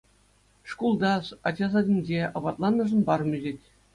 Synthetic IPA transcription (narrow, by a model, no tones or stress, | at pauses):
ʂkulˠd̪ɑsɑd͡ʑɑzɑdʲinʲd͡ʑeɤ̰̆bɑt̪lˠɑnːɤ̆ʐɤ̆nbɑrmʲyʑetʲ